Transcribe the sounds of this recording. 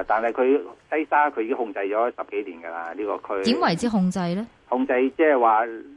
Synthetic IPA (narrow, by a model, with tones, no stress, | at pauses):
t̪aː˨nɦɐ˨˩jkʰɵ˨˧ɥsɐ˥jsaː˥kʰɵ˨˧jiː˨˥hʊ˧ŋt͡sɐ˧jt͡ʃɔː˨˥sɐ˨p̚ke˨˥jliː˨˩nɡɐ˧laː˧liː˥kɔː˧kʰɵ˥iː˨˥mwɐ˨˩jt͡siː˧˥ɦʊ˧ŋt͡sɐ˧jlɛ˥ | hʊ˧ŋt͡sɐ˧jt͡sɛː˥ɦɛ˨˩jwaː˨